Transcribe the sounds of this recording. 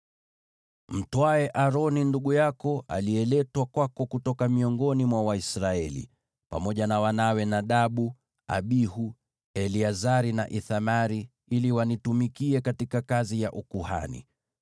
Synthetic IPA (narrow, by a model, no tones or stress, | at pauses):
m̩twaɛʔaɾɔninduɠujakɔa̰liɛlɛtwakwakɔkutɔkamiɔŋɡɔnimwawaisɾaɛlḭ | pa̰mɔʄanawanawɛnaɗaɓu | a̰ɓihu | ɛliazaɾina̰ʔiθamaɾi | iliwanitumikiɛkatikakazijaʔukuha̰nḭ